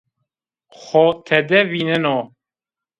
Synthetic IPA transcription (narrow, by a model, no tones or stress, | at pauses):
xɔt̪ʰɛd̪ɛvinɛnɔ